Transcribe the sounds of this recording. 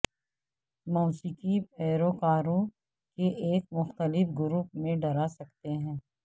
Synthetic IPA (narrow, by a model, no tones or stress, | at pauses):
moːsɪkipʰɛːɾokaːɾõ | keʔeːk̚mʊxt̪əlɪfɡʊɾuːpmẽɖɐɾasɐkt̪eɦɛ̃ː